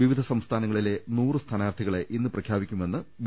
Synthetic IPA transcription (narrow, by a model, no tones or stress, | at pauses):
ʋiʋid̪ʱɐsɐmst̪ʰaːnɐŋːɐɭile̞nuːrɨst̪ʰɐnaːrt̪ʰiɣɐɭe̞ʔinːɨprɐkʰjaːbikʲːume̞nːɨʋ